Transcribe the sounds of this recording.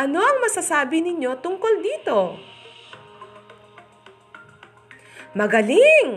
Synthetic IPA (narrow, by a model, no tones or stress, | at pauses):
ʔɐno̞ʔɐŋmɐsɐsaːbɪnɪɲo̞t̪ʊŋko̞ld̪iːt̪o̞ | mɐɡɐlɪŋ